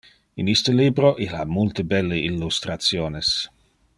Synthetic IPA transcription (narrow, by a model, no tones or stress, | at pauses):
inist̪əliːbɾoʔila̰mult̪əbɛlːeilːust̪ɾat̪sjoːnes